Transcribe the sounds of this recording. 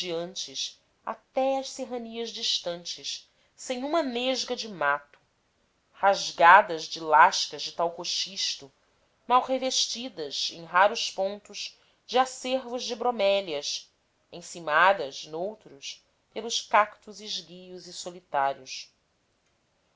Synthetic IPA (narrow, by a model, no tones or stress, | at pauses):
d͡ʒiɐ̃nt͡ʃɪs | a̰t̪ɛɐʃseɦɐniɐzd͡ʒiʃt̪ɐ̃nt͡ʃɪʃ | sẽj̃ũmɐneʒɡɐd͡ʒɪmat̪ʊ̥ | haʒɡad̪ɐzd͡ʒɪlaʃkɐzd͡ʒɪt̪awhoʃiʃt̪ʊ | mawɦeveʃt͡ʃid̪ɐzẽj̃ɦaɾʊʃpõnt̪ʊz | d͡ʒɪaseɾvʊʒd͡ʒɪbɾomɛlɐʃ | ẽj̃simad̪ɐʃnowt̪ɾʊs | pelʊʃkakt̪uziʒɡijuzisolit̪aɾiʊs